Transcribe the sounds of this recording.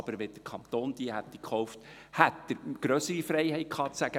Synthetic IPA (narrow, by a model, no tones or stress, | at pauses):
b̥əɾʋed̥əɾkʰχɑnt̪oːnd̥̪iəhæt̪̚d̥ikχɔʊft̪ | hæt̪dəɾɡ̥ɾœsəɾifɾɛɪɦɛɪt̚kʰχɑːt͡sæɡə